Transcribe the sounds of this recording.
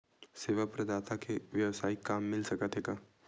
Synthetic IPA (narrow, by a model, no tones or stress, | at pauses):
seːʋəpɾɐd̪aːt̪ʰakeʋjɐʋsaːikaːmːɪlsɐkət̪ɦeːɡaː